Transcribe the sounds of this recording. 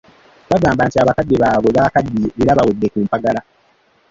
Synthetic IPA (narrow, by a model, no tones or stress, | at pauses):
βaɡaːmbaːntiaβakadːiβaːβweβakadːieɾaβawedːe̞kuːmpaɡala